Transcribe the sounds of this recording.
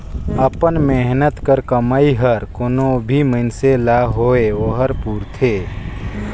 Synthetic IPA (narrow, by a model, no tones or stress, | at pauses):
əpənmeɦnət̪kəɾkəmaːiɦəɾkonobʱimənselaɦoeʋoɦəɾpuːɾt̪ʰeː